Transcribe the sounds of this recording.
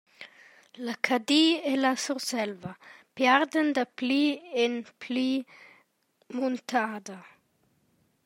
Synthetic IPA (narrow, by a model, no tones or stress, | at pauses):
lakʰad̪ielasuɾsɛlvɐpjaɾd̪ənd̪əplienpʰli | munt̪ʰaːd̪ɐ